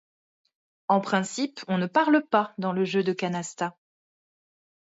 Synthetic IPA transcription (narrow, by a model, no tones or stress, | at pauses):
ɑ̃pχɛ̃sipɔ̃nəpaʁləpad̪ɑ̃ləʒød̪əkanast̪a